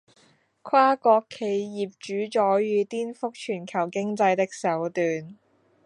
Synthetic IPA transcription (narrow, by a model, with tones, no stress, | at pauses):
kʷʰaː˥kɔː˧kʰːe˨˧jjiː˨˩p̚t͡ʃyː˨˥t͡ʃɔː˨˥jɥyː˨˧t̪iː˥nfʊ˥k̚t͡ʃʰyː˨˩nkʰɐ˨˩wkɪ˥ŋt͡sɐ˧jt̪ɪ˥k̚sɐ˨˥wt̪yː˨n